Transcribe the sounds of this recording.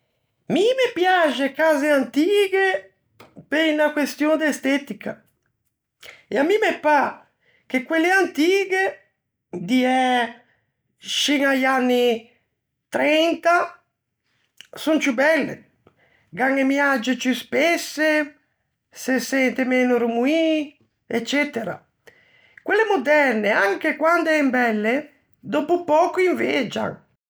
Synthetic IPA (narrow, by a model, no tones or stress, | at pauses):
mimepjad͡ʒekaːzeant̪iːɡe | peinakwest̪jond̪est̪ɛt̪ikʰa | eamːimepa | kekwelːeant̪iːɡe | d̪iɛ | ʃiŋajanːi | t̪ɾɛnt̪a | sunt͡ʃubɛlːḛ | ɡaŋemjad͡ʒet͡ʃuspesːe | sesɛnt̪emeːnoɾumui | et͡ʃːɛt̪eɾa̰ | kwelːemod̪ɛrneaŋkekwand̪oɛmbɛlːe | d̪ɔpupɔːkoiɱved͡ʒa̰ŋ